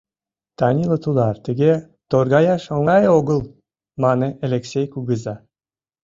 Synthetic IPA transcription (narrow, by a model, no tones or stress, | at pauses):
t̪ɑnʲilˠət̪ulɑrt̪əɡʲe | t̪orɣɑjɑʃoŋɑjoɣə̆lˠ | mɑneelʲeksʲejkuɡəzɑ